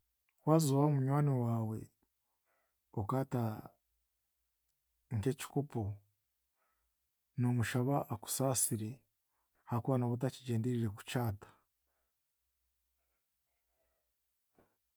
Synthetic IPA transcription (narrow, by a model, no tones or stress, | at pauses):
waːzuβaomuɲwaːniwaːwe̞̰ | okaːta | ŋke̞ci̥kopo | no̞muʃaβaʔːku̥saːsiɾe̞ | hakuaːnaβot̬aciɟe̞ːndeɾiɾe̞ku̥caːtḁ